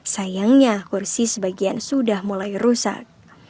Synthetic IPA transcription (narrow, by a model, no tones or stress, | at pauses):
sajaŋɲakursisəbaɡiansudahmulajrusa̰k̚